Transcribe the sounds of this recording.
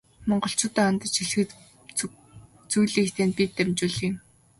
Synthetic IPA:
mɔɴɢɞ̆ɬt͡ɕʊːt̪æːant̪ə̆t͡ɕxiɮxɘ̆t̪ | t͡sujɮiːkt̪ʰeːnpiːt̪ːæmt͡ɕuːɮĭːm

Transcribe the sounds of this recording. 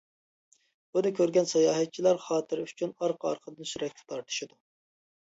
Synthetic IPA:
bunɨkʲʰøɾɡʲɛnsɑjɑːɦɛt̪̚t͡ʃʰilˠɑɾχɑːt̪ʰɨɾyt͡ʃʰynɑɾqʰəɑ̰ɾqʰəd̪ɨnsyɾɛkʲt̪ʰɛ̥t̪ʰɑɾt̪ʰɨ̥ʃɨd̪u

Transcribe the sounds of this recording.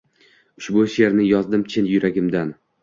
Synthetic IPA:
ʊʃbʊʃe̞ɾnɪjɒzd̪ɪmt͡ʃʰɪnjʊɾaɡʲɪmd̪an

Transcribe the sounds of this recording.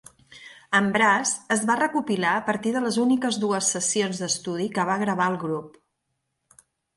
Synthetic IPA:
əmbɾazəzβarəkupilaəpəɾt̪iðələzunikəzðuəsəsionzðd̪əst̪uðikəβ̞aɣɾəβ̞aəlˠɣɾup

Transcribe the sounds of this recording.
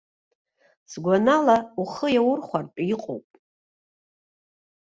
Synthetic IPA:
sɡʷanalauχəjawʊrχʷartʼiqʼo̰wpʼ

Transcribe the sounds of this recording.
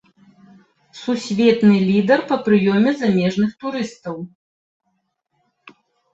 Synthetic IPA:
susʲvʲɛt̪nɨlʲid̪ɐrpɐpɾɨjɔmʲɛzamʲɛʐnɨxt̪uɾɨst̪ɐw

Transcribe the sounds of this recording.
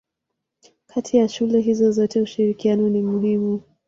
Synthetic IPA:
kʰatʰijaʃulɛɦizɔzɔtɛuʃiɾikianɔnimuɦimu

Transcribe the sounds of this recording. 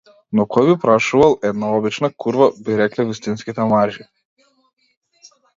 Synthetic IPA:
nɔkʰɔjbipɾaʃuvalˠɛd̪naɔbit͡ʃnakʰuɾvabiɾɛklɛvist̪inskit̪ɛmaɾʒi

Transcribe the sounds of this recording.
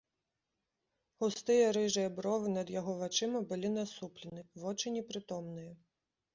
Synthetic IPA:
hʊst̪ɪjɐɾɪʒɐbɾɔʋɪnɐd̪jɔɦɔʋɐt͡ʃɪmɔbɪlʲɪnɐsuplʲɪnɪʋɔt͡ʃɪnʲipɾɪt̪ɔmnɪjɛ

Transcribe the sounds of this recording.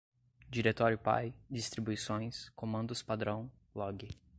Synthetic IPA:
d͡ʒiɾet̪ɔɾjʊpa̰jd͡ʒist̪ɾibujsõj̃skomɐ̃nd̪ʊspad̪ɾɐ̃w̃ | lɔɡɪ

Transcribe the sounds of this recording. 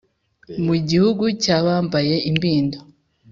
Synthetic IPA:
muɟihuɡucaːβaːmbaje̞ʔimbiːndo

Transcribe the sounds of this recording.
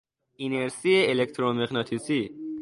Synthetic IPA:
ineɾsieelekt̪ʰɾomexnɒt̪ʰisi

